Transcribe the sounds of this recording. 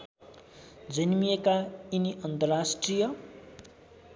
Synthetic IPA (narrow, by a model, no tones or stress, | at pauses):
d͡zʌnmijekainiʌnt̪ʌrasʈrijʌ